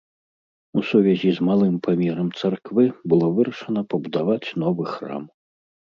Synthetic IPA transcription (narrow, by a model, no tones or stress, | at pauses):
usuvʲɛzʲizmalˠɨmpʰamʲɛɾɐmt̪sarkvɨbɨlˠɔvɨɾɐʂɐnɐpɐbud̪avat͡sʲn̪ɔvɨxra̰m